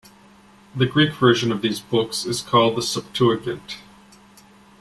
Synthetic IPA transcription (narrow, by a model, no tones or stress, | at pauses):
ðɨɡɹikv̥ɜ˞ʒɨ̃nʌvðizbʊksɨz̥kʰɔlˠd̪̚ðəsʌb̥̚tʰuɨkɨ̃nt